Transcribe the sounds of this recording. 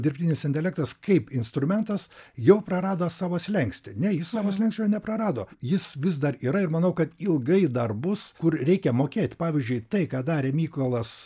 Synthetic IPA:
d̪ʲɪɾʲpʲt̪ʲiːnʲɪsɪnʲt̪ʲɛlʲɛk̚t̪ɐskɐɪpɪnst̪ɾʊmʲɛnt̪ɐsjɛʊprɐɾɑːd̪oːsɑːʋoːsʲlʲɛŋksʲt̪ʲɪnʲɛjɪssɑːʋoːsʲlʲɛŋksʲt͡ʃʲonʲɛprɐɾɑːd̪oːjɪsʋʲɪs̬d̪ɐriːɾɐɪɾmɐnɐʊkɐt̪ɪlˠɡɐɪd̪ɐrbʊskʊrɾʲɛɪkʲɛmoːkʲeːt̪ʲpɑːʋʲɪzʲd͡ʒʲʊɪt̪ɐɪkɑːd̪ɑːɾʲeːmʲiːkoːlˠɐs

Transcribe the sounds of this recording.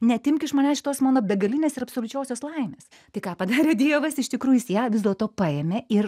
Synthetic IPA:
nʲɛt̪ʲɪmʲkʲɪʃmoːnʲɛːsʃʲɪ̥t̪oːsmɑːnoːbʲɛɡɐlʲɪnʲeːsɪɾɐpsoːlʲʊt͡ʃʲoːsʲoːslˠɐɪmʲeːs | t̪ɐɪkɑːpɐd̪ɑːɾʲeːd̪ʲiɛʋɐsɪʃt̪ʲɪkɾuːjʊɪsjæːʋʲɪzd̪ɛlˠt̪oːpɑːeːmʲeɪr

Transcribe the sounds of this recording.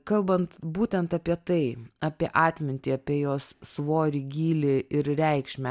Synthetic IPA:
kɐlˠbɐnt̪buːt̪ʲɛnt̪ɐpʲiɛt̪ɐɪɐːpʲiɛʔɑːt̪ʲmʲɪnʲt̪ʲiːɐpʲiɛjoːssʋoːɾʲɪɡʲiːlʲɪɪɾɾʲɛɪkʃʲmʲɛ

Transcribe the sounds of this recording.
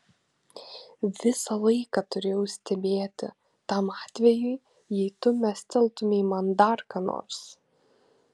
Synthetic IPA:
ʋʲɪsɐlˠɐɪkɐt̪ʊɾʲeːjɛʊsʲt̪ʲɛbʲeːt̪ʲɪ̰ | t̪ɑmɑːt̪ʲʋʲɛjʊj | jɛɪt̪ʊmʲɛst̪ʲɛlˠt̪ʊmʲɪimɐnd̪ɐɾkɑno̰ːɾs

